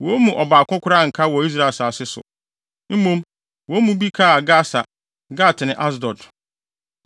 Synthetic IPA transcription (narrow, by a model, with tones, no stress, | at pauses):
wo˨˦mũ˨ʔɔ˨baː˨kʊ̃˦kʰʷʊ˦ɾa˦˨ŋ̩˨kʰa˦wɔ˨i˦s̬ɾa˦˨e˨sa˨sɪ˦sʊ̰˨ | m̩˦mõ˦m | wo˨˦mũ˨bi˦kʰa˦a˨ɡa˦sa˨ | ɡa˦˨tʰɪ˨nɪ̃˨ʔa˦s̬dɔ˨t